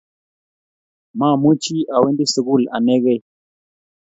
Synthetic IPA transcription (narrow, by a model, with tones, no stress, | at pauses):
ma˦˨mu˦t͡ʃi˦a˨we˦ndi˦sə˨ɡu˦˨la̰˨ne˦ɣe˦˨